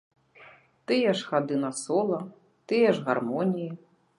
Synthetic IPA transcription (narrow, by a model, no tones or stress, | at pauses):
t̪ɨjɛʂxad̪ɨnɐsɔlˠɐ | t̪ɨjɛʐɣarmɔnʲiji